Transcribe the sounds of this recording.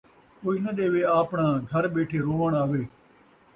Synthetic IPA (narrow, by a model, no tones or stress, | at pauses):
koːiːnəɗ̪eːʋeːaːpɳãːɡʱəɾɓeːʈʰeːɾoːʋəɳaːʋeː